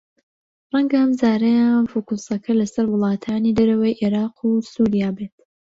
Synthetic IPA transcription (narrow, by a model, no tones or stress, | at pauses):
rˤɐŋɡɐəmzaːɾɐjaːnfukusɐkʰɐlɐsɐɾwʊlˠɑːt̪ʰaːnid̪ɐɾɐwɐjʔeɾɑːqʰusuːɾijaːbeːt̪̚